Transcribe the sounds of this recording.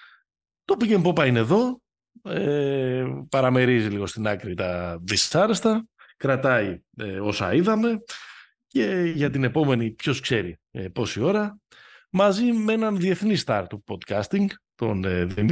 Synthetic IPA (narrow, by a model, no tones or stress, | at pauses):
t̪o̞picempopɐineðo̞ | e | pɐɾɐme̞ɾiziliɣo̞st̪inɐkɾit̪ɐðisɐɾest̪ɐ | kɾɐt̪ɐieo̞sɐ̰iðɐme̞ | ce̞ʝɐt̪ine̞po̞me̞nipço̞skse̞ɾipo̞sio̞ɾɐ | mɐzimee̞nɐnðie̞θnist̪ɐɾt̪upo̞d̪kɐst̪iŋɡt̪o̞neði